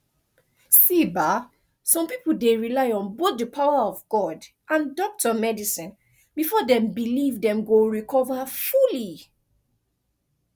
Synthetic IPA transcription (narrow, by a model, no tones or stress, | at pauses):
siba | sɔ̃mpipodeɹilaɪɔ̃nbot̚dəpʰaʊaɔvɡɔd | ʔãndɔk̚tʰəmɛdisĩn | bifɔdɛ̃mbilivdɛ̃mɡoɹikʰɔvafuli